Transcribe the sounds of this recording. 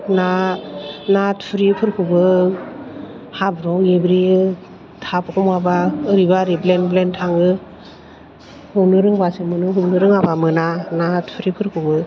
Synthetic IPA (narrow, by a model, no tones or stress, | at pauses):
na | natpʰɯɾipʰɯɾkʰɯbɯ | habɾɔwebɾi | tʰapkʰɔmabaɯɾibaɾiblenblentʰaŋɯ | hubnɯɾɯŋbasɯmɯnɯɦunɯɾɯŋabamɯnanatpʰɾipʰɯɾkʰɯbɯ